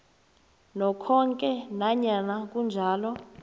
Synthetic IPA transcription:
nɔkʰɔŋkʼɛnaɲanak̬ʼund͡ʒʱaːlɔ

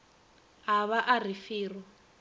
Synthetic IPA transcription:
ɦaβaʔar̤ifiːrɔ

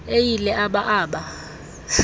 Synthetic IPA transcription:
ejilɛʔaɓaʔaːɓa

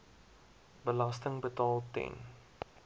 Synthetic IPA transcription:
bəlɐstəŋbətɑːlˠtɛ̰n

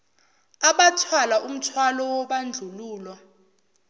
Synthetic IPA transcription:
aɓatʰwalaʔum̩tʰwalɔwɔɓand͡ɮʱuluːlwa

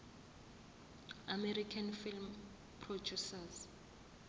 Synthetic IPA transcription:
amɛɾikʰanfilm | pʰrod͡ʒusaz

